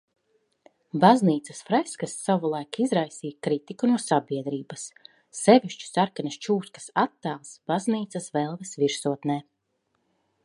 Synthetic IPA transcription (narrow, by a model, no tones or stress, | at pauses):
bazniːt̪sɐsfɾɛskasːavulˠajkizɾajsiːjakɾit̪ikunuɔsabʲiɛd̪ɾiːbɐsː | ɛviʃt͡ʃu̥saɾkanʲast͡ʃuːskḁsat̪ːaːlˠsbazniːt̪sɐsvɛlˠvɛsviɾsuɔt̪nɛː